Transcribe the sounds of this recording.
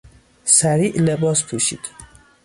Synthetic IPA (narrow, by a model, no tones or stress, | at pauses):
sæɾiːʔlebɒːspʰuʃḭd̪̥